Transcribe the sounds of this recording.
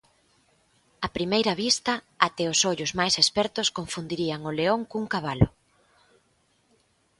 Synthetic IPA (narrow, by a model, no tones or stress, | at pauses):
ɐpɾimejɾɐβist̪ɐ | at̪ɛʊsoʎʊzmajsespɛɾt̪ʊskoɱfund̪iɾiɐŋʊleoŋkuŋkaβ̞alʊ̰